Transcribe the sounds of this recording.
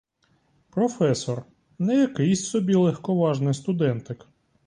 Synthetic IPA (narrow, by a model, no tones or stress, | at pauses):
pɾɔfɛsɔr | nɛjɐkɪjsʲsɔbʲilˠɛxkɔʋɑʒnɪjst̪ʊd̪ɛnt̪ɪk